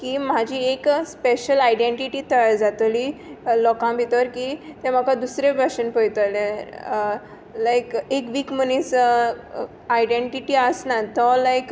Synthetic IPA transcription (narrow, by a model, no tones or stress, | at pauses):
kiːm̤ad͡ʑiekspeɕəlajɖẽɳʈiʈiːt̪əjd͡zat̪lilɔkãbʱit̪əɾkit̪ɛ̃m̤əkad̪usɾebʱaɕənpəjt̪əle | lajkekʋiːkm̤ənes | ajɖẽɳʈiʈiːəsnat̪ɔlajk